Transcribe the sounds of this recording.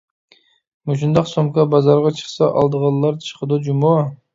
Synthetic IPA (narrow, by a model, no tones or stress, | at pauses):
mut͡ʃʰund̪ɑqsomkɑbɑzɑɾʁɑt͡ʃʰə̥χsɑʔɑ̰lˠd̪əʁɑlˠlːɑɾt͡ʃʰə̥qʰəd̪ud͡ʒumɑ